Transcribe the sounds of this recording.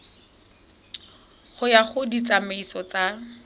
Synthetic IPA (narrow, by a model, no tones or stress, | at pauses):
χʊjaχʊdit͡sameisɔt͡sa